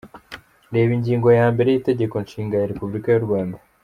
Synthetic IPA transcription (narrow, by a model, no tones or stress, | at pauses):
ɾe̞ːβiɲɟiːŋɡo̞jaːmbe̞ɾe̞jiːte̞ɟe̞ko̞nʃiːŋɡajaɾepubuɾikajuɾɡwaːnda